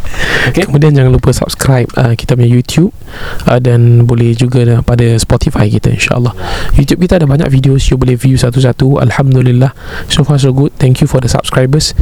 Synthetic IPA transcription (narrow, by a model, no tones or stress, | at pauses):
kekəmudiand͡ʒaŋãnlupəsa̰p̚skɾajp̚əki̥t̪aməɲãjut̪ʰjup̚ | ədãnbolɛhd͡ʒuɡapadaspɔt̪ifajkit̪a̰ḭnʃa̰ʔə̰lːahjut̪jup̚kit̪adabaɲa̰k̚vidiosjubolɛhvjusat̪us̬at̪ua̰lhamd̪ulilːahsofas̬oɡut̪̚t̪ɛ̃ŋkjufɔdəsa̰p̚skɾajbəs